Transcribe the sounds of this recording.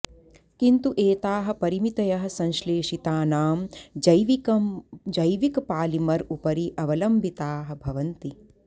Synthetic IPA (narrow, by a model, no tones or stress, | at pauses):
kint̪uʔeːt̪aːɦɐ̆pɐɾimit̪ɐjɐɦɐ̆sɐ̃nʃleːʂit̪aːnaːmd͡ʒɐjʋiɐd͡ʒɐjʋikpaːlimɐɾupɐɾiʔɐʋɐlɐmbʱit̪aːɦɐ̆bʱɐʋɐnt̪i